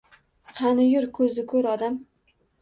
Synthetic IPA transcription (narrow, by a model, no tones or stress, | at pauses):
qʰɑnɪjʊɾkʰɵzɪkʰɵɾɒd̪am